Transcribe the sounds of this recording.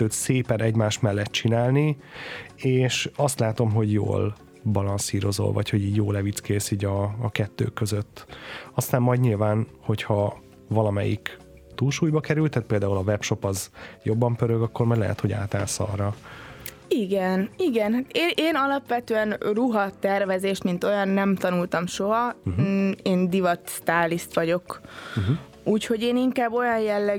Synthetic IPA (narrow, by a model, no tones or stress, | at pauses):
øːt̪seːpɛnɛɟmaːʃt̪mɛlːɛt̪̚t͡ʃinaːlni | eːʃɒst̪laːt̪o̞mɦo̞ɟjo̰ːl | bɒlɒnsiːɾo̞zo̰lvɒ̰cho̞ɟiːɟjoːlɛvit̪skeːsiːɟɒːkɛt̪ːø̰ːkːøzøt̪ːɒst̪aːmːɒjdɲilvaːnho̞chɒ | vɒlɒmɛjḭk | t̪uːlʃuːjbɒkɛɾylt̪ːaːt̪̚peːld̪aːulɒvɛpʃo̞pɒzjo̞bːɒmpøɾøɡɒkːormɒjdlɛ̰ɦɛ̰t̪ho̞ɟa̰ːt̪aːlsɒ̰rɒ | iɡɛniɡɛnɦaːt̪eːʔeːnɒlɒpʋɛt̪øːɛnruɦɒt̪ːɛrvɛzeːʃmint̪o̞jɒnːɛmt̪ɒnult̪ɒmʃo̞ɦɒ | eːnd̪ivɒt̪st̪aːlːist̪ʋɒɟo̞k | uːcho̞ɟeːniŋkaːbːo̞jɒnjɛlːɛ